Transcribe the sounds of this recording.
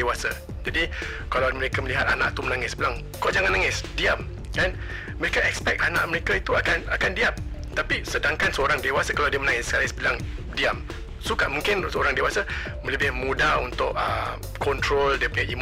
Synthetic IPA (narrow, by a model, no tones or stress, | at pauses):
ewasa | d͡ʒadi | kalawməɾekaməliɦat̪a̰na̰ʔt̪umənaŋɪsəbilaŋ | kod͡ʒaŋanaŋɪsdiam | kan | məɾekaɛkspɛk̚t̪ana̰ʔməɾekait̪uakanakandiamt̪apisədaŋkansəoɾaŋdewasakalawdiəmənaŋɪsəkalisəbilaŋ | diam | sukaʔmũŋkɪnsəoɾaŋdewasa | mə̃ləbɪhmũdaunt̪ʊʔə̰ | kɔnt̪ɾoldiəpuɲaʔim